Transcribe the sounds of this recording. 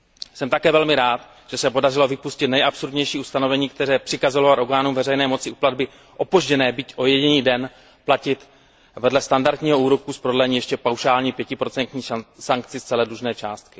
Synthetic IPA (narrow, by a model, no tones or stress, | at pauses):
sɛmt̪akɛːvɛlmɪɾaːt̪ | ʒ̥ɛsɛpo̞darɪlo̞vɪpuscɪt̪nɛjʔapsuɾdɲɛjʃiːust̪ano̞vɛɲiːkt̪ɛɾɛːpr̥ɪkazolovat̪ʔoɡaːnumvɛrɛjnɛːmo̞t͡sɪʔupladbɪ | ʔo̞poʒɟɛnɛːbicʔo̞jɛɟɪɲiːdɛn | placɪt̪ | vɛdlɛst̪andaɾt̪ɲiːɦo̞uːɾokuspɾolɛɲiːjɛʃcɛpawʃaːlɲiːpjɛcɪpɾo̞t͡sɛnt̪ɲiːsaŋk̚t͡sɪst͡sɛlɛdluʒnɛːt͡ʃaːst̪̚kɪ̥